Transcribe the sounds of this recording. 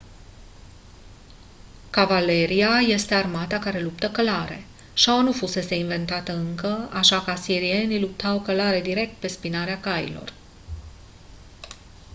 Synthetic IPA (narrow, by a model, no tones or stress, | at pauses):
kavale̞ɾiaje̞st̪e̞armat̪akaɾe̞lupt̪əkəlaɾe̞̰ | ʃawanufuse̞se̞inve̞nt̪at̪əɨŋkəaʃakasiɾie̞nilup̚t̪awkəlaɾe̞d̪iɾe̞k̚t̪̚pe̞spinaɾeakajḭlo̞̰r